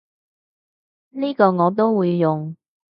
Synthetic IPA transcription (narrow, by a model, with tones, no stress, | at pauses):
niː˥kɔː˧ŋɔː˨˧t̪̬o˥wwuː˨˧jːʊ˨ŋ